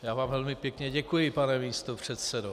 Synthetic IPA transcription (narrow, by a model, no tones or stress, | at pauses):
jaːvaːmvɛlmɪpjɛkɲɛɟɛkujɪpanɛmiːst̪opr̝̥ɛt̪sɛdo